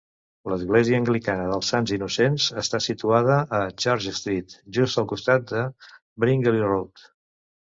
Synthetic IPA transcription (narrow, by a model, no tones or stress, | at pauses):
ləzɣleziəːŋɡlikanəð̞əlˠsanzinusenzəst̪asit̪uaðəʔːt͡ʃaɾʒəst̪ɾit̪ʒust̪əlˠkust̪at̪̚d̪ə | bɾiŋɡəlirot̪